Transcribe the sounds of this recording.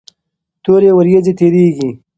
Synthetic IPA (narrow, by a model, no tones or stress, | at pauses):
t̪oːɾewɐɾjed͡ʑet̪eːɾiːɡi